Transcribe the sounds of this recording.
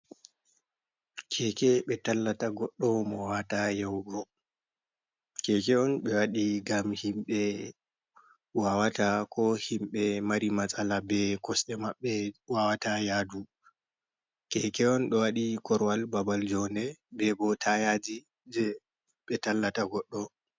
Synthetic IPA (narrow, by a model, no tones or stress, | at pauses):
kʰɛkɛɓɛtalːataɡɔɗːɔwmɔwawatajɛwɡɔ | kɛkɛɔnɓɛwaɗiɡamhimɓɛ | wawatakʰɔhimɓɛmaɾimasʼalabɛkɔsɗɛmaɓːɛwawatajadu | kɛkɛɔnɗɔwaɗikʰɔɾwalbabald͡ʒɔnɛbɛbɔtʰajad͡ʒi | d͡ʒɛ | ɓɛtalːataɡɔɗːɔ